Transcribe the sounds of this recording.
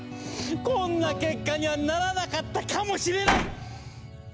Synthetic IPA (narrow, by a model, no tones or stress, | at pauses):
konakekaɲanaɾaðakat̪akʰamoʃileɾa